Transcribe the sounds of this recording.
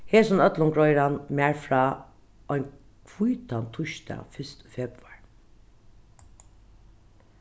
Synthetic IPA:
heːsɔnœt̪lʊŋɡɾɔjɾanmæːɹfɹaː | ɔjn | kʰʋujt̪ʰant̪ʰʊʃt̪a̰fɪst̪ʊfɛbɾʊaɹ

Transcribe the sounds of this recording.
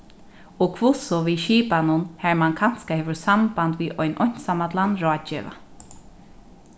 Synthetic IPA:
ɔkʰvʊsɔʋiʃiːpanʊnhɛɹmankʰan̥skahɛːʋʊsambant̪ʋiɔjnɔjɲn̥t̪samat̪lanːɾɔːt͡ʃɛʋa̰

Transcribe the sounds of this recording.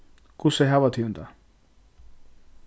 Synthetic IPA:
kuseɦaβat̪ʰiunt̪a

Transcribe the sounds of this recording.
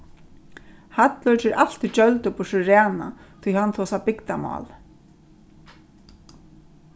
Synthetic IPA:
hat̪lœt͡ʃɪɾʔal̥t̪ɪt͡ɕœlt̪ʏpʰɔʃʏɾaːna̰t̪ʰujhanːt̪ʰɔːsapɪkt̪amɑ̰ːl

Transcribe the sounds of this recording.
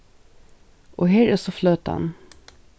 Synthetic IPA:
ʔoːheːɾɛsɔfløːt̪ɑ̰n

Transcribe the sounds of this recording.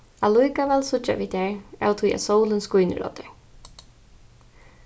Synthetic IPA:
alujkaʋɛːlsʊt͡ʃːa̰ʋiːd̪ɛɹɛ̰ːwt̪ʰʊja̰sowlɪnskujnɪ̰ɹɔ̰t̪ɪ

